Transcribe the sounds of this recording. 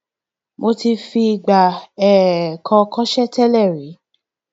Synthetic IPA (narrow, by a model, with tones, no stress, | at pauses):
mʔo˧ti˧fi˧i˧˨ɡ͡ba˨ɛ˨kʰɔ̃˧kɔ̃˦ʃɛ˦tɛ˦lɛ˦˨ɾi˨˦